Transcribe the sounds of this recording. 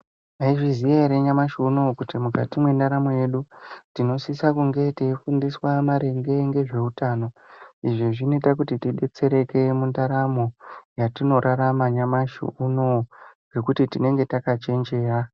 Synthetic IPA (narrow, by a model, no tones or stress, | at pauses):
aiʐizijeɾeɲamaʃuːno̞kutimuka̰timwe̞ndaɾamo̞je̞ɗutino̞sisakuŋɡe̞tiifundiswamaɾe̞ŋɡe̞ŋɡe̞ʐe̞utaːno̞iʐiʐinoitak̬utitiɗe̞t͡se̞ɾe̞ke̞mundaɾamo̞jatino̞ɾʔaɾamaɲamaʃṵuno̞ɡe̞kutitine̞ŋɡe̞takat͡ʃe̞nd͡ʒe̞ːra